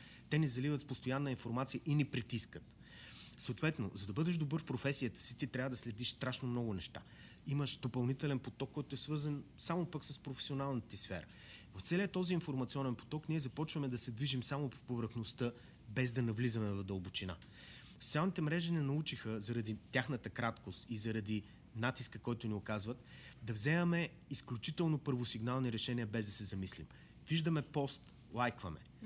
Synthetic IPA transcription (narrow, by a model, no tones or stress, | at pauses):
t̪ɛnɛzɐlivət̪spost̪ojanːəinfoɾmat̪sijəʔinɛpɾit̪iskət̪ | səot̪vɛt̪no̰zɐd̪ɐbɤd̪ɛʃd̪obɤɾfpɾofɛsijət̪ə̥si̥t̪it̪ɾʲavəd̪ɐslɛd̪iʃst̪ɾaʃnomnɔɡʊnɛʃt̪a̰ | iməʃd̪opɐlˠnit̪ɛlɛnpot̪ɔkːɔjt̪ʊɛsvɤɾzənsamopəksəspɾofɛ̥sionalˠnət̪ɛsfɛ̰ɾə̰ | vɐft̪sɛliət̪ɔziːnfoɾmɐt̪siɔnɛnpo̥t̪ɔkniɛzɐpɔt͡ʃvəmɛd̪ɐsɛd̪viʒimsamopovɾəxnost̪ɤ | bɛzd̪ɐnɐvlizɐmɛvɐd̪ɐlˠbʊt͡ʃina̰ | so̥tsialˠnit̪ɛmɾɛʒinɛnɐut͡ʃixəzɐɾɐd̪it̪ʲjaxnət̪əkɾat̪kost̪izɐɾɐd̪i | nat̪iskəkɔjt̪ʊniokazvət̪d̪ɐvzɛmɛmɛ | isklʲut͡ʃit̪ɛlˠnopɤɾvosiɡnalˠniɾɛʃɛniəbɛzd̪ɐsɛzɐmislim | viʒd̪ɐmɛpɔst̪ | lˠajkvɐmɛ̰